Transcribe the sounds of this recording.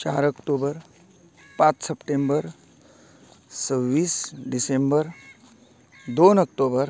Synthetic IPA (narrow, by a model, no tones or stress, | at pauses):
t͡ʃaːɾəkʈoːbəɾ | pãːt͡ʃsəpʈeːmbəɾ | səwːiːsɖɪsẽmbəɾ | d̪oːnək̚ʈoːbəɾ